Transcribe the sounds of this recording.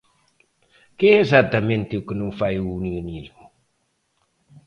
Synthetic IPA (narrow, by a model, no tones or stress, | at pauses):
keezat̪ament̪eukənufajuniunil